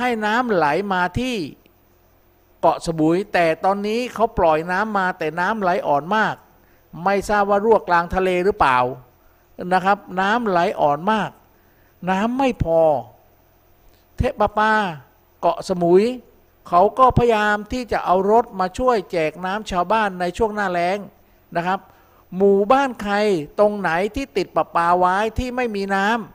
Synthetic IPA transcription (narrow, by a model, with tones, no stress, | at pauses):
ha˥˩jnaː˦˥mla˩˦jmaː˧t̪ʰiː˥˩ | kɔ˨˩ʔsa˧mu˨˩˦jt̪ɛː˨˩t̪ɔː˧nːiː˦˥kʰa˦˥wplɔ˨˩jnaː˦˥mːaː˧t̪ɛː˨˩naː˦˥mla˨˩˦jʔɔː˨˩nmaː˥˩k̚ | ma˥˩jsaː˥˩p̚waː˥˩ɾu˥˩ək̚laː˧ŋt̪ʰa˧leː˧ɾɯː˦˥paː˨˩w | na˦˥kʰa˦˥p̚naː˦˥mla˩˦jʔɔː˨˩nmaː˥˩k̚ | naː˦˥mːa˥˩jpʰɔː˧ | t̪ʰe˦˥pːaː˧paː˧ | kɔ˨˩ʔsa˧mu˨˩˦j | kʰa˦˥wkɔː˥˩pʰa˧jaː˧mt̪ʰiː˥˩t͡ɕa˨˩ʔa˧wɾo˦˥t̪̚maː˧t͡ɕʰu˥˩əjt͡ɕɛː˨˩k̚naː˦˥mt͡ɕʰaː˧wbaː˥˩nːa˧jt͡ɕʰu˥˩əŋnaː˥˩lɛː˦˥ŋ | na˦˥kʰa˦˥p̚ | muː˨˩baː˥˩nkʰa˧jt̪o˧ŋna˩˦jt̪ʰiː˥˩t̪i˨˩t̪̚pa˨˩paː˧waː˦˥jt̪ʰiː˥˩ma˥˩jmiː˧naː˦˥m